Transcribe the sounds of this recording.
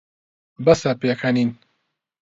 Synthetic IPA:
bɐsɐpeːkʰɐnin

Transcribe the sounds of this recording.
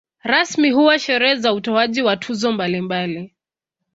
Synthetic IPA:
ɾasmiɦuwaʃɛɾɛɛzautɔaʄiwatʰuzɔmbalimbali

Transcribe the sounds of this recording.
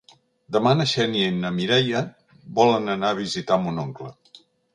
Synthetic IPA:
d̪əmanəʃɛnienəmiɾɛjə | bɔlənənaəβ̞izit̪amunoŋklə

